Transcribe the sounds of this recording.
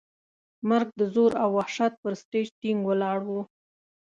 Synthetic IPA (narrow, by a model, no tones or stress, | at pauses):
maɾɡ̚d̪əzoɾawːahʃat̪̚pəɾst̪ed͡ʒt̪iŋɡwəlɑɽwu